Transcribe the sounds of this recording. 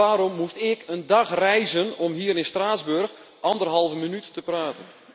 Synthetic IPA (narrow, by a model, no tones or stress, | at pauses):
aːɾɔmːustɪkəndɑxrɛjzənɔmɦiːəɾɪnstraːzbørx | ʔɑndərɦɑlˠvəmənytːəpraːtən